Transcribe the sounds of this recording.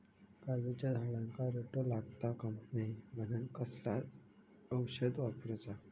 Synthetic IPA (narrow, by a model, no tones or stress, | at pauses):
kad͡zat͡ɕjad̪ʱalãŋkaɾeʈolaɡt̪akəmnaim̤ənənkəsla | əwɕəd̪ʋapɾt͡sa